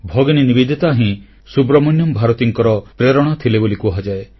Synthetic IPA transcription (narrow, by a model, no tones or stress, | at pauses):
bʱɔɡɔninibid̪ʱit̪aɦĩ | subɾɔmɔnjɔmbʱaɾɔt̪iŋkɔɾɔpɾeɾɔɽ̃ɔt̪ʰilebolikuɦad͡ʒae